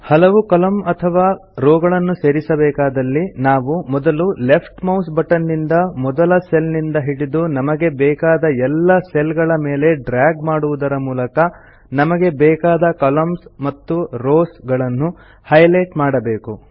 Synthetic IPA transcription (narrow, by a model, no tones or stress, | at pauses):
hɐlɐʋukɐlɐmɐt̪ʰɐʋaːɾɔːɡɐɭɐnːuse̞ːɾisɐbɛːkaːd̪ɐlːinaːʋumɔd̪ɐlule̞pʰʈmɐwsbɐʈɐnːind̪ɐmɔd̪ɐlɐselnind̪ɐɦiɽid̪unɐmɐɡe̞bɛːkaːd̪ɐɛlːɐselɡɐɭɐmeːle̞ɖɾaːɡmaːɽuʋud̪ɐɾɐmuːlɐkɐ | nɐmɐɡe̞bɛːkaːd̪ɐkɐlɐmsmɐt̪ːuɾoːsɡɐɭɐnːu | hɐjlɐjʈmaːɽɐbeːku